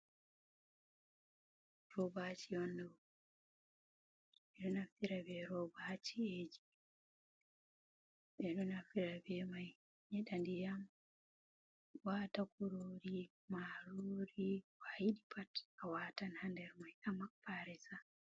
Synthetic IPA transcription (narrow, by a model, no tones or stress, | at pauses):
ɾɔbat͡ʃijɔnːɛ | ɛɗɔnaftiɾabɛɾɔbat͡ʃied͡ʒi̥ | ɓɛɗɔnafiɾabɛmaj | ɲɛɗandijam | waːtakuɾoːɾi | maɾoːɾiwajiɗipʰatawatanhandɛɾmajʔamak̚paɾɛsa